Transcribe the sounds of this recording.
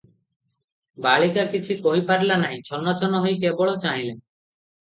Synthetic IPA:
baɭikakit͡ʃʰikoɦipaɾlanaɦĩt͡ʃʰɔnɔt͡ʃʰɔnɔɦojkebɔɭot͡ʃaɦĩle

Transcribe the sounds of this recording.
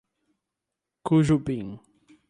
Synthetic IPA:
kuʒubĩŋ

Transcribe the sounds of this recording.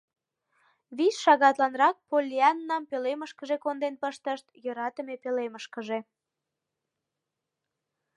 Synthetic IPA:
βisʃɑɣɑt̪lɑnrɑk̚polʲiɑnːɑmpøleməʃkəʒekond̪enpəʃt̪əʃt̪jɤɾɑt̪əmepeleməʃkəʒe̽

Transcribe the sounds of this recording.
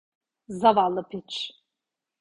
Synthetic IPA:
zavalɨpʰit͡ʃʰʼ

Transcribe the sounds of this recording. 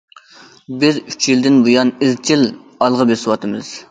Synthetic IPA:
bɪzyt͡ʃʰjild̪ɪnbujɑnɪzt͡ʃʰilɑlˠʁəbesɪwɑt̪ɨmɨz̥

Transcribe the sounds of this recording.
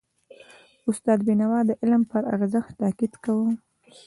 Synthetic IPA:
ʊst̪ɑd̪̚binawɑd̪əʔɪlmpəɾa̰ɾzəxt̪t̪akid̪kawə

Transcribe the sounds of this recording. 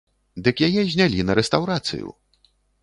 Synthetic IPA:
d̪ɨkjajɛʑʲnʲalʲinɐɾɛst̪awɾat̪sɨ̰jṵ

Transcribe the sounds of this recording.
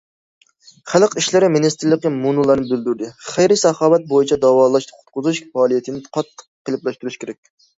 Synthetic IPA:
χælˠqiʃlɪɾɪmɪnist̪ɪɾlːəqʲːimunulˠɑɾnɨɪbɪld̪yɾd̪ɪχejɾɪsɑhɑːwɛt̪̚bojit͡ʃʰɛd̪ɑwɑːlˠɑʃqʰʊt̪qʊzuʃɑːlˠijɛt̪ʰɪnɪqʰɑt̪ʰːə̥qqːəlˠɨplˠɑʃt̪uɾyʃkʲeɾɛk̚ʲ

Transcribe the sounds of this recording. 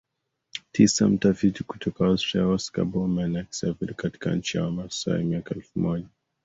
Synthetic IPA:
tisa̰m̩tafitiku̥tʰɔkaɔstɾiaɔska̰bɔmɛnɛksɛvɛlkati̥ka̰n̩t͡ʃia̰wamasa̰jɛ̰miakaɛlfumɔʄa

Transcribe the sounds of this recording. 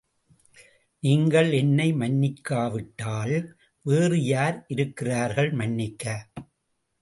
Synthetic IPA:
niːŋɡɐɭɛnːɐɪmɐnːɪkːaːʋɪʈːaːl | ʋeːrɯjaːɾʔɪɾɯkːɪraːɾɣɐɭmɐnːɪkːɐ

